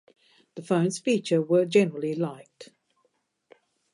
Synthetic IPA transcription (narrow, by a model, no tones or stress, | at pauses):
ðəfə̃ʊ̃nz̥fiˑt͡ʃəwəd͡ʒɛnəɹəlˠilaɪk̚t